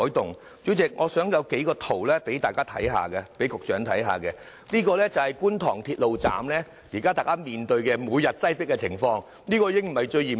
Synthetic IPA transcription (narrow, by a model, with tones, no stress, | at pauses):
ɔː˨˥jt̪ʊ˨ŋ | t͡sy˨˥t͡sɪ˨k̚ŋʔɔː˨˧sœː˨˥ŋjɐ˨˧wke˨˥jkɔː˧t̪ʰo˨˩wlɛː˥pe˨˥jt̪aː˨jkaː˥t̪ʰɐ̰˨˥jɦa̰ː˨kɛ˧pe˨˥jkʊ˨k̚t͡ʃœː˨˥ŋt̪ʰɐ˨˥jɦa̰ː˨˧kɛ˧ | nliː˥kɔː˧lɛː˥t͡sɐ˨whɐ˨˩jkuː˥nt̪ʰɔː˨˩ŋt̪ʰiː˧t̚lo˨wt͡sa̰ː˨mlɛː˥ | ji˨˩kaː˥t̪aː˨jkaː˥miː˨˩nt̪ɵ˧ɥkɛː˧muː˨˧jɐ˨t̚t͡sɐ˥jpɪ˥k̚ːɛ˧t͡sʰɪ˨˩ŋfɔː˧ŋ | niː˥kɔː˧iː˧ɪ˥ŋm̩˨˩hɐ˨jt͡ʃɵ˧ɥjiː˨˩